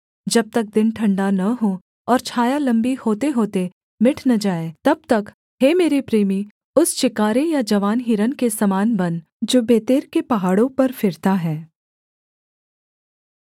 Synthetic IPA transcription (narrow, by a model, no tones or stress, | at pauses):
d͡ʒɐb̚t̪ɐk̚d̪ɪnʈʰɐ̃ɳɖanɐɦo | ɔːɾt͡ʃʰaːjalɐ̃mbihoːt̪eɦoːt̪e | mɪʈʰnɐd͡ʒaːeːt̪ɐb̚t̪ɐk | heːmeːɾipɾeːmi | ʊst͡ʃɪkaːɾejad͡ʒɐʋaːnɦiːɾənkesɐmaːnbɐn | d͡ʒoːbeːt̪eːɾkepɐɦaːɽõpɐɾfɪɾt̪aɦɛː